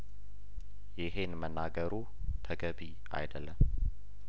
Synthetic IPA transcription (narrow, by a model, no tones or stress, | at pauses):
jɪɦe̞nmənːaɡəɾu | t̪ʰəɡəbi | a̰jd̪əlːəm